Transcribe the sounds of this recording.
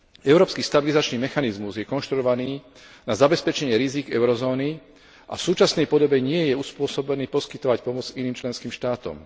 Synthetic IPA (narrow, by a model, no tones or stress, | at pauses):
ɛʊɾɔːpskiːst̪abilizat͡ʃniːmɛxanizmuzjɛkɔnʃt̪ɾuɔʋaniː | nazabɛspɛt͡ʃɛɲɪɛɾiziːɡɛʊɾɔzɔːni | ʔa̰fsuːt͡ʃasnɛjpɔd̪ɔbɛɲɪɛjɛuspʊɔsɔbɛniːpɔskit̪ɔʋacpɔmɔd͡ziniːmt͡ʃlɛnskiːmʃt̪aːt̪ɔ̰m